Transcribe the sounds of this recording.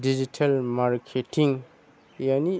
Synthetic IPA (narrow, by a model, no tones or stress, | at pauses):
did͡ʒitʰalmaɾkʰetʰiŋ | jani